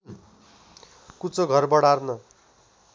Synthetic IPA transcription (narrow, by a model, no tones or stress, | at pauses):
kut͡soɡʱʌrbʌɽarnʌ